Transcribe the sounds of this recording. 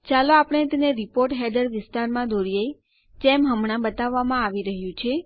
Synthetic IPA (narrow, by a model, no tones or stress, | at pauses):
t͡ʃaloapɽ̃et̪eneɾipoɾʈɦɛɖ̪əɾʋɪst̪aɾmãd̪ʱoɽijej | temɦəmɳ̃ãbət̪aʋːamãaʋiɾəɦjũt͡ʃʰe